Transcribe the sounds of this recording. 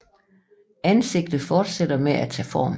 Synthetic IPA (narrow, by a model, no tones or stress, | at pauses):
ænse̝ɡ̥̚d̥ð̩ˠfɒːd̥sed̥ɐmeʔæt͡sʰɛ̰ːfɒ̰ːm